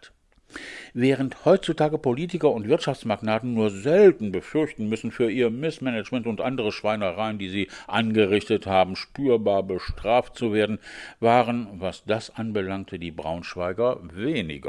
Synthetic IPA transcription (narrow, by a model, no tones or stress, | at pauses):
vɛːʁ̞ənthɔʏtt͡sutʰaːɡəpoliːtɪkɐʊntv̥ɪɐtʃaft͡smaɡnaːtn̩nuːɐzɛltn̩bəfʏɐçtn̩mʏsn̩fyːɐʔiːɐmɪsmɛnɛt͡ʃmɛntʊntʔandəʁəʃv̥aɪnəʁaɪəndiːziːʔanɡəʁɪçtəthaːbm̩ʃpyːɐbaːɐbəʃtʁ̥aːft̚t͡suveːɐdn̩vaːʁənvasd̥asʔanbəlaŋtʰəd̥iːbʁa̰ʊnʃv̥aɪɡɐveːnɪ̰ɡɐ̰